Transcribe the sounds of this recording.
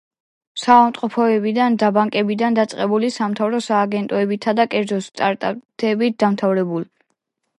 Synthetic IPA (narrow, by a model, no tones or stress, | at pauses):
savamt̪ʼqʼɔpʰɔɛbid̪and̪abaŋkʼɛbid̪and̪at̪sʼqʼɛbulisamt̪ʰavɾɔsaːɡɛnt̪ʼɔɛbit̪ʰad̪akʼɛɾd̪zɔst̪ʼaɾt̪ʼat̪ʰɛbit̪̚d̪amt̪ʰavɾɛbulˠ